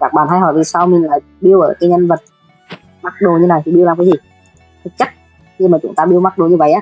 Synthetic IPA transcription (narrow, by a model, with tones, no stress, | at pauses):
kaː˧˥k̚ɓaː˨˩nɦa˧jɦɔ̰˧˩jvi˨˩saː˧wmi˨˩nlaː˨˩ | ɓi˧əwʔəː˧˩kaː˨˦jɲə˧nvə˨˩t̚ | ma˦˥k̚ɗo˨˩ɲɨ˧naː˨˩jt̪ʰi˨˩ɓi˧wlaː˨˩mkaː˨˦zi˨˩ | t̪ʰɨ˦˥k̚t͡ɕa˦˥k̚ | xɨ˧maː˨˩t͡ɕʊ̰˨˦ŋ͡mt̪aː˧ɓi˧əwma˦˥k̚ɗo˨˩ɲɨ˧və̰˧˨jʔaː˧˦